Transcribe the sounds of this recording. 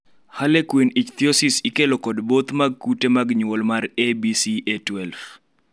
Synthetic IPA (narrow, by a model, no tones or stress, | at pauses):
halekwinit͡ʃt̪iosisikelɔkɔdbot̪maɡ̚kutemaɡɲwɔlmarebisietwɛlf